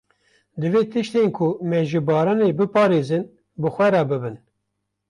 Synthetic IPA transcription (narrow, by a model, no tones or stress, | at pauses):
d̪ɨveːt̪ɨʃt̪enkʰʊmɛʒɨbɑːɾɑneːbɨpɑːɾeːzɨn | bɨxʷɛɾɛbɨbɨn